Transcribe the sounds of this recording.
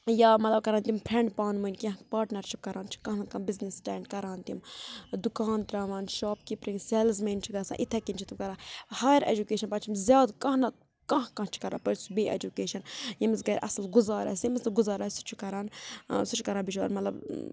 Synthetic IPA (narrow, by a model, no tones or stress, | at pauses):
jaːmɐt̪lɐb̚kɐɾaːnt̪ʲimpʰɾẽɳɖpaːnmɨnʲkʲɐ̃ɦpaːɾʈnɐɾʃip̚kɐɾãːnt͡ʃʰi̥kɐ̃ɦnɐt̪̚kɐmbiznisʈɛːɳɖkɐɾaːnt̪imd̪ukaːnt̪ɾaːʋaːnʃoːpkipɾiŋɡselzmɐnt͡ʃʰiɡɐsã̰ːʔit̪ʰːɐkint͡ʃʰit̪umkɐɾãːhaːjɾḛd͡ʒukeːʃɐnpɐt͡ʃʰimzjaːd̪kɐ̃ɦnɐt̪̚ | kɐ̃ɦkɐ̃ːt͡ʃʰi̥kɐɾa̰ːpɐɾsubiʔḛd͡ʒukeːʃɐnjɐmizɡɐɾʔɐ̰slɡuzaːɾa̰ːsʲjimisɡuzaːɾaːsi̥t͡ʃʰukɐɾaːnsut͡ʃʰu̥kɐɾãːbiʃʰʋa̰ːɾmɐt̪lɐb